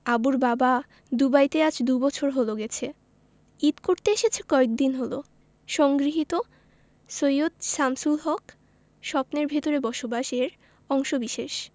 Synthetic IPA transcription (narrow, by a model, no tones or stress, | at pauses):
abuɾbaba | d̪ubajt̪ead͡ʑd̪ubɔt͡ɕʰoɾɦoloɡɛt͡ɕʰe | it̪koɾt̪eeʃet͡ɕʰe̥kɔek̚d̪inɦolo | ʃɔŋɡɾiɦit̪o | sojot̪ʃamsulɦɔk | ʃɔpneɾbʱet̪oɾebɔʃobaʃeɾ | ɔŋʃobiʃeʃ